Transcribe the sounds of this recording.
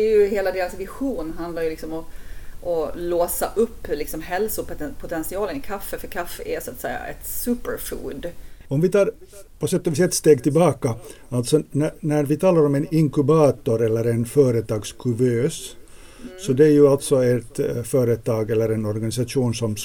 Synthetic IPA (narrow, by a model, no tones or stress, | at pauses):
ɛɾjɵɦeːlad̪eːɾasvɪɧuːnɦand̪laɾjɵlɪksɔmɔʔɔloːsa̰ʔɵpːlɪksɔmɦɛlsʊppʰʊt̪ʰɛnsɪɑːlənɪkʰafːəfœɾkʰafːɛʔɛsat̪sɛjːa̰ɛ̰t̪sʉːpəɾfṵːd̪ɔmvɪt̪ʰɑːɾ | pʰɔsɛt̪ːɔvɪsɛːɛt̪st̪eːɡt̪ɪlbɑːka | alt̪sɔnænæɾvɪt̪ʰɑːlaɾɔmɛnɪŋkʉbɑːt̪ɔɾɛlːəɾɛnfœːɾət̪ʰɑːɡskʰʉbøːs | sɔd̪ɛæjɵalt̪sɔɛt̪fœːɾət̪ʰɑːɡɛlːəɾɛnɔɾɡanɪs̬aʂuːnsɔm